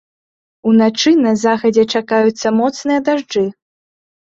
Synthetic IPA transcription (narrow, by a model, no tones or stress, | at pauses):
unat͡ʂɨnɐzaxɐd͡zʲɛt͡ʂakajut̪sːɐmɔt̪snɨjɐd̪aʐd͡ʐɨ